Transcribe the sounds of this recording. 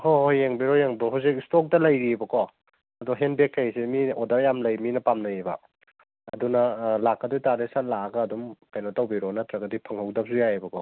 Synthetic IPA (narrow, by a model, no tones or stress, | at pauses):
hohojeŋbiɾɔjeŋbɾɔɦawsik̚stok̚dɐlɐjɾibɐkɔ | ɐdoɦenbekʰːajsemiodɐɾjamlɐjminɐpamnɐjebɐ̰ | ɐdunɐlakːɐdojtaɾesat̚laɡɐːdumkajnotɐwbiɾɔnɐtʰɾɐɡɐdipʰɐŋhawdɐp̚sujabɐkʰɔ